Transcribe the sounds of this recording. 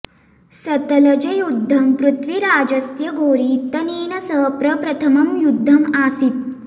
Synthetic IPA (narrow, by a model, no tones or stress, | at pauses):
sɐt̪ɐlɐd͡ʒɐjud̪ʱːɐmpɾut̪ʰʋiɾaːd͡ʒɐsjɐɡʱoːɾiːt̪ɐneːnɐsəɦpɾɐpɾɐt̪ʰɐmɐmjud̪ʱːɐmasit̪̚